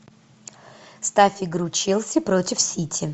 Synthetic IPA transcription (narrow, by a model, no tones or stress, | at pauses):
st̪afʲɪɡɾʊt͡ɕilˠsʲəpɾotʲɪfsʲitʲʰɪ